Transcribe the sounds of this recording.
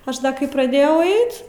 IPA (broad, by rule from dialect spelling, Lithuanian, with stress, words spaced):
ˈɐʃ dɐ kɐɪ prɐˈdʲeːjɛʊ ˈɐɪt